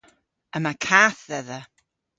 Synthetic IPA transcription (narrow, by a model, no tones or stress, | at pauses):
əmakʰaːθðɛðə